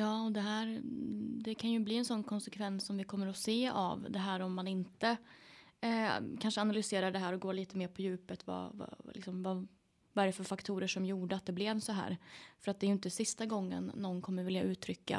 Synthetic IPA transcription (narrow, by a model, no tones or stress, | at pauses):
jɑːɔd̪ɛɦæːɾd̪ɛkʰanjɵbliːɛnsɔnːkʰɔnsɛkʰvɛnsːɔmvɪkʰɔmːəɾɔseːa̰vd̪ɛɦæːɾɔmːanɪnt̪ə | kʰanʂəanalʏseːɾaɖɛɦæːɾɔɡoːɭiːt̪əmeːɾpʰɔjʉ̟ːpət̪va̰va̰lɪ̰ksɔmva | vaɛɾɛfœɾfakt̪ʰuːɾəʂɔmjuːɖəat̪̚d̪ɛblɛvsɔɦæ̰ːɾfœɾat̪̚d̪ɛɾjɵɪnt̪əsɪst̪aɡɔŋːə̰nːɔnːkʰɔmːəɾvɪljaʉ̟ːt̪ʰɾʏkːa̰